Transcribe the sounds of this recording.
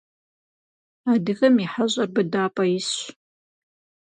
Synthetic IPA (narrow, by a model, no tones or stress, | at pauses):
aːdɨɣɐmiħaɕʼɐrbɨdaːpʼɐjɪs